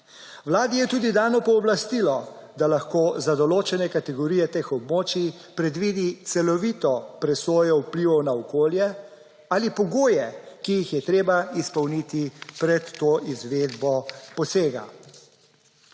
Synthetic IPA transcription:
wlaːd̪ijɛt̪uːd̪id̪aːnɔpɔːblast̪ilɔd̪alaxkoːzad̪ɔloːt͡ʃɛnɛkat̪ɛɡɔɾiːjɛt̪eːxɔbmoːt͡ʃi | pɾɛd̪ʋid̪it̪sɛlɔʋit̪ɔpɾɛsoːjɔuwpliʋɔwnaɔkoːljɛ | aːlipɔɡoːjɛkijixjɛt̪ɾeːbaispɔwnit̪ipɾɛt̪ːoːʔizʋeːd̪bɔpɔseːɡa̰

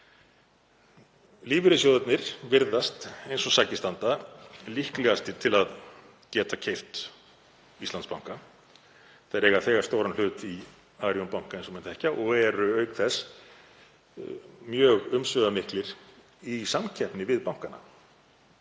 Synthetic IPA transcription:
liːvʏɾʏsjoːwðat̪nɪɾ̥vɪɾðast̪ejnsɔsaːcɪst̪ant̪alihklɛɣast̪ɪt̪ʰɪlað | cɛːt̪acʰejft̪ | ist̪anspawŋka | θaɾeːɣaθɛːɣaɾ̥st̪oːwɾanlʏːt̪i | aːɾjɔnpawŋ̥kaensɔmɛnt̪ʰɛhcaʔɔɣɛɾʏœːɥkθɛs | mjœːɣʏmsvœɣamɪhklɪɾ | isamcʰɛhpnɪvɪðpawŋ̥kana̰

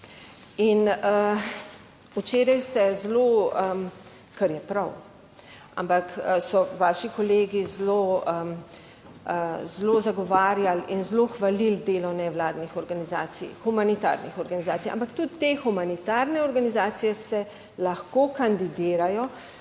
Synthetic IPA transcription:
inə | ut͡ʃeːɾajst̪ɛzloə | kaɾjɛpɾaw | a̰mpaksɔʋaːʃikɔleːɡizloə | zlozaɡɔʋaːɾjalinzloxʋalild̪eːlɔnɛwlaːd̪nixɔɾɡanizaːt̪sḭjxumanit̪a̰ːɾnixɔɾɡanizaːt̪ija̰mpakt̪ut̪ːexumanit̪aːɾnɛɔɾɡanizaːt̪sijɛsɛ | laxkokand̪id̪iːɾajɔ

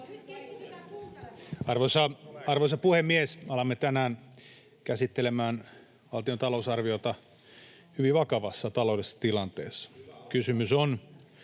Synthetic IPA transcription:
ɑrʋosɑɑrʋosɑpuhemːiesɑlɑmːet̪ænæːn | kæsit̪ːelemæːn | ʋɑlt̪iont̪ɑlousɑrʋiot̪ɑ | hyʋiʋɑkɑʋɑsːɑt̪ɑloudesːɑ̥t̪ilɑnt̪eːsːɑ̥kysymyson

